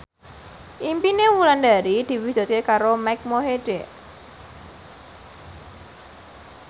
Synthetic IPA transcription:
ʔimpinewuland̪aɾid̪̥i̤wid̥d͡ʒ̥ṳt̪̚kekaɾomajk̚moɦeɖ̥ɛʔ

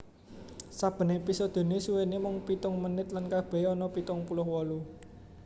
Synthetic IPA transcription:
sab̥ə̤nepisɔd̪̥o̤nesuwenemʊŋpit̪ʊŋmənɪt̪lankab̥ɛ̤jɔnɔpit̪ʊŋpulʊhwɔlu

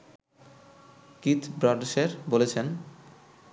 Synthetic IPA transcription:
kit̪bɾɔɖʃeɾbolet͡ɕʰen

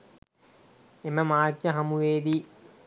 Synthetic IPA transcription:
eməmaːkjɐɦɐmuʋeːd̪i

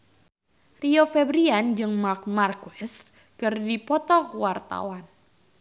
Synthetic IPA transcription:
riofɛbɾiand͡ʒɨŋmak̚markuɛs | kɨrdipɔt̪ɔkuwart̪a̰wan

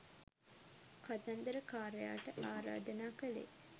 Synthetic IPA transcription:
kʰat̪and̪əɾəkaːɾeja̰ːʈəʔaːɾa̰ːd̪ənaːkəlḛ

